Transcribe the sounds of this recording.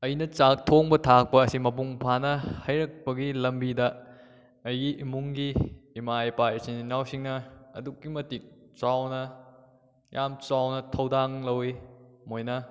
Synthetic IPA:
ɐjnɐt͡ʃak̚tʰoŋbɐtʰak̚pɐːsimɐp̬uŋpʰanɐhɐjɾɐk̚pɐɡilɐmbidɐ | ɐjɡiʔimuŋɡiːmajpaɐsininawsiŋnɐɐ̰dukːimɐtik̚t͡ʃawnɐ | jʔamt͡ʃawnɐtʰɐwdaŋlɐwimojnɐ

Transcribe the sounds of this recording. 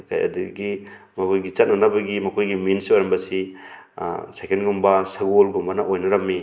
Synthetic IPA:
kʰa̰jɐ̰dḭɡimɐkʰojɡit͡ʃɐt̚nɐnɐbɐɡimɐkʰojɡiminsiojɾɐmbɐsi | sekenɡumbɐsɐɡolɡumbɐnɐʔojnɐɾɐmːi

